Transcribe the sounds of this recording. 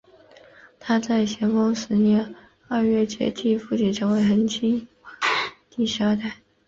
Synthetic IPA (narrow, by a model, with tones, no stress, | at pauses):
t̪ʰa˥t͡sa˥˩ɪɕjɛ˧˥nfɑ˥ŋʂɻ̩˧˥njɛ˧˥n | ɐ˞˥˧ɥɛ˥˩t͡ɕjɛ̰˧˥t̪ʰi˥˩fu˥˩t͡ɕʰi˥˩ʈ͡ʂʰɤ˧˥ŋwe˧˥ɪxə˧˥nt͡ɕʰi˥ŋ˥ | t̪i˥˩ɕjɑ˥t̪a˥˩ɪ